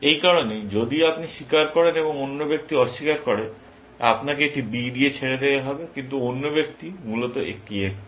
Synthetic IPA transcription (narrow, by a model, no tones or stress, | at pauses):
ejkaɾoned͡ʑod̪iapniʃikaɾkɔɾeneboŋonːobek̚t̪iɔʃːikaɾkɔɽe | a̰pnakeek̚ʈibiɖiet͡ɕʰeɽed̪eeɦɔbekint̪̬uonːobek̚t̪imulot̪oʔḛk̚ʈie